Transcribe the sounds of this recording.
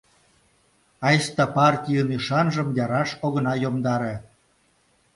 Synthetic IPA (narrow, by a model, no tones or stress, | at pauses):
ɑjst̪ɑpɑrtʲijəniʃɑnʒəmjɑɾɑʃoɣə̆nɑjomd̪ɑɾe